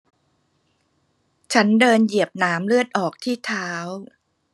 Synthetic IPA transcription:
t͡ɕʰa˦˥ndɤː˧nji˨˩əp̚naː˦˥mlɯ˥˩ət̪̚ʔɔː˨˩k̚t̪ʰiː˥˩t̪ʰaː˦˥w

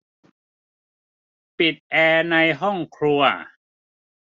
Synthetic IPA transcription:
pi˨˩t̪̚ʔɛː˧na˧jɦɔ˥˩ŋkʰɾu˧ɐ

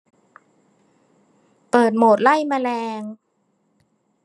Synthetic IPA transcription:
pɤː˨˩t̪̚moː˨˩t̪̚la˥˩jmaː˧lɛː˧ŋ

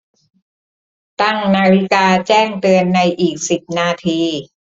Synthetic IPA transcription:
t̪a˥˩ŋnaː˧ɾi˦˥kaː˧t͡ɕɛː˥˩ŋt̪ɯ˧ənːa˧jʔiː˨˩k̚si˨˩p̚naː˧t̪ʰiː˧

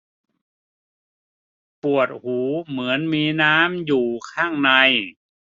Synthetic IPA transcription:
pu˨˩ət̪̚huː˩˦mɯ˩˦ənmiː˧naː˦˥mjuː˨˩kʰaː˥˩ŋna˧j

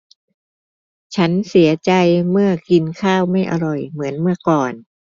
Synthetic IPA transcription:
t͡ɕʰa˦˥nsi˩˦ɐt͡ɕa˧jmɯ˥˩ɐki˧nkʰaː˥˩wma˥˩jʔa˧ɾɔ˨˩jmɯ˩˦ənmɯ˥˩ɐkɔː˨˩n

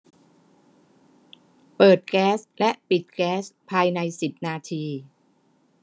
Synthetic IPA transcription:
pɤː˨˩t̪̚kɛː˦˥slɛ˦˥ʔpi˨˩t̪̚kɛː˦˥spʰaː˧jna˧jsi˨˩p̚naː˧t̪ʰiː˧

